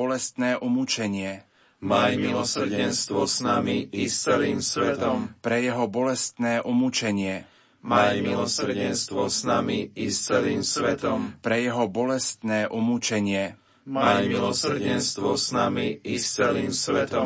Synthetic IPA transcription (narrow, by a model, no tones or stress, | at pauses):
ɔlɛst̪nɛːʔumut͡ʃɛɲɪɛ | mamilɔsr̩ɟɛnst̪ʋɔznamiist͡sɛliːmsʋɛt̪ɔmpɾɛjɛɦɔbɔlɛst̪nɛːʔumut͡ʃɛɲɪɛ | mamilɔsr̩ɟɛnst̪ʋɔznamiist͡sɛliːmsʋɛt̪ɔmpɾɛjɛɦɔbɔlɛst̪nɛːʔumut͡ʃɛɲɪɛ | amilɔs̩ɟɛnst̪ʋɔznamiist͡sɛliːmsʋɛt̪ɔ